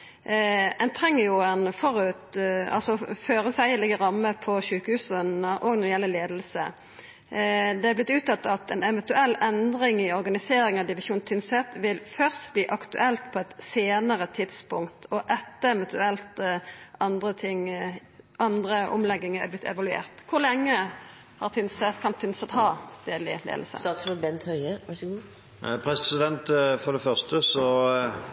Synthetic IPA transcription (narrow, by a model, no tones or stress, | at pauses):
ɛnt̪ʰʁɛŋːəjʊɛnfɔʁʉt̪ɑ̰lsɔføːʁəsæɪəlɪɡəɾɑmːəpʰɔʃʉːkəhʉːsənəʔɔːɡnɔɾɪjɛlːəleːd̪əlsə̰ | d̪ɛæblɪt̪ːʉːt̪ɑt̪ːɑt̪ɛnɛʋɛnt̪ʉɛlːɛnd̪ʁɪŋɪɔʁɡɑnɪseːɾɪŋɑʋd̪ɪʋɪʃuːnt̪ʰʏnsɛt̪ʋɪlfœʁst̪bliːʔɑkt̪ʉ̰ʔɛlt̪pʰɔɛt̪seːnəʁət̪ʰɪd̪spʊŋkt̪ʰɔʔɛt̪ːəɛʋɛnt̪ʉɛlt̪ɑnd̪ʁət̪ʰɪŋ | ʔɑnd̪ʁəʔɔ̰mlɛɡːɪŋæ̰blɪt̪ʰɛ̰ʋɑlʉḛːʁt̪kʰʊʁlɛŋːə | hɑʁt̪ʰʏnsɛt̪kʰɑnt̪ʰʏnsɛt̪hɑst̪eːd̪lɪ̰lḛːd̪l̩sə̰sɑt̪bɛnt̪hœʏəɑsɡ | pʰɾɛsɪd̪ɛnt̪fɔd̪ɛfœʁst̪əsɔ